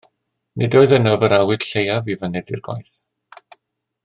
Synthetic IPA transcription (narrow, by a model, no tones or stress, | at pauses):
nʔɨdoːɨðənəvəɾawɨd̥ɬejavivənɛdɪrɡwa̰jθ